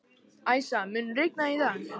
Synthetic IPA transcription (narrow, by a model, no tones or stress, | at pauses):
ajsamʏnrɪk̚naiθa